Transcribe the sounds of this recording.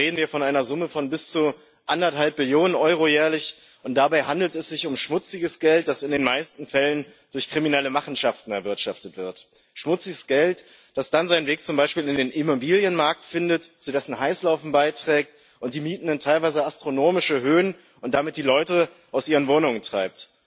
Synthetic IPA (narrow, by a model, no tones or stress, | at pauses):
ʁeːdn̩viːɐfɔnaɪnɐzʊməfɔnbɪst͡su | ʔandɐthalp̚mɪljoːnənʔɔʏʁ̞ojɛːɐlɪç | ʔʊnt̚d̥abaɪɦandl̩tɛsz̥ɪçʊmʃmʊt͡sɪɡəsɡ̥ɛlt̚d̥asɪndeːnmaɪstn̩fɛlənd̥ʊɐçkʁ̥iminɛləmaχn̩ʃaftn̩ɛɐvɪɐtʃaftətv̥ɪɐt | ʃmʊt͡sɪɡəsɡ̥ɛlt | d̥asd̥anzaɪnveːk̚t͡sʊmbaɪʃpiːlɪndeːnʔimobiːljənmaɐk̚tfɪndətt͡sudɛsn̩ɦaɪslaʊfn̩baɪtʁ̥ɛːk̚t | ʔʊnt̚d̥iːmiːtn̩dəntʰaɪlvaɪzəastʁ̥onoːmɪʃəɦøːən | ʔʊnt̚d̥amɪt̚d̥iːlɔʏtə | ʔaʊsʔiːʁənvoːnʊŋəntʁ̥aɪp̚t